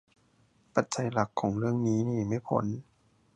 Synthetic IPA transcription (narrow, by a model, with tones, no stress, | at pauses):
pa˨˩t̪̚t͡ɕa˧jla˨˩kʰːɔː˩˦ŋɾɯ˥˩əŋniː˦˥niː˧˩ma˧˥˩jpʰo̰˩˦n